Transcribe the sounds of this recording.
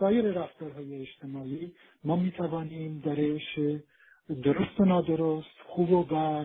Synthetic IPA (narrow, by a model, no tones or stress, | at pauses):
sɒːjeɾeɾæft̪ɒːɾɦɒːjeːt͡ʃt̪ʰemɒːiː | mɒːmiːt̪ʰævɒːniːmd̪æɾeʃ | d̪oɾost̪onɒːd̪oɾost̪xuːbobæ